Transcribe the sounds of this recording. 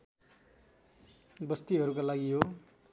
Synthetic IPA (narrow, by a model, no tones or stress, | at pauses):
bʌst̪iɦʌɾukalaɡiɦo